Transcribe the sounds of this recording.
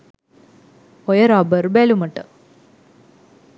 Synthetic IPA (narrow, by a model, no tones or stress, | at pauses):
ojɐɾabərbeːlumɐʈːɨ